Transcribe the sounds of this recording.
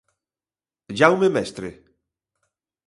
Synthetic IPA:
ʒawmemɛst̪ɾe

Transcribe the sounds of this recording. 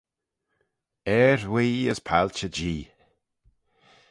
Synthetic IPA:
ɛɹwiːəzpʰalt͡ʃəd͡ʒiː

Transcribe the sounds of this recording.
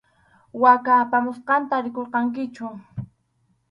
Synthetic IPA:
wakaːpamʊsqɑnt̪aɾɪkoɾqɑŋk̬ɪt͡ʃʊ

